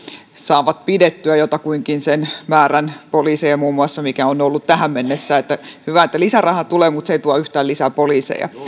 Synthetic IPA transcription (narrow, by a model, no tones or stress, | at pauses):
sɑːʋɑt̪̚pidet̪ːyæjot̪ɑkuiŋkinsenmæːrænpoliːsejɑmuːmːuɑsːɑmikæonolːut̪t̪æhæmmenːesːæːet̪ːæhyʋæet̪ːælisærɑhɑt̪uleːmut̪seit̪uɑyht̪æːlisæpoliːsḛjɑ̰